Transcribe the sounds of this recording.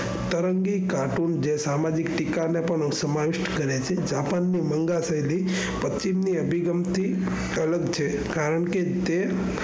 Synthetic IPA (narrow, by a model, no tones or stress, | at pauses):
t̪əɾəŋɡikaʈund͡ʒesamad͡ʒikʈikanepəɳsəmaʋɪʃʈkəɾet͡ʃʰed͡ʒapanːiməŋɡasəjli | pət͡ʃimniəbʱiɡəmt̪ʰi | ələɡt͡ʃʰe | kaɾəɳke | t̪e